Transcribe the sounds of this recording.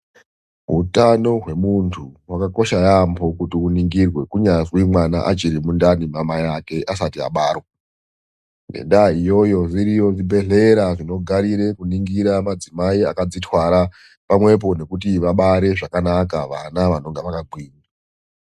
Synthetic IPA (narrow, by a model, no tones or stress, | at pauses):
ɦutano̞ɦwe̞muntʰuwakako̞ʃajambo̞kutiuniŋɡirwe̞kuɲazwimwana̰ʔat͡ʃiɾimundanimamajake̞ʔasatia̰ɓaːrwa | nḛndaijo̞jo̞ʐiɾijo̞ʐibʱe̞ɮe̞ɾaʐino̞ɡʱaɾiɾe̞kuniŋɡiɾamad͡zimaia̰kad͡zitwaɾa | pamwe̞p̬o̞ne̞kutiʋaɓaɾe̞ʐakanakaʋanaʋano̞ŋɡeʋakaɡʱwiːna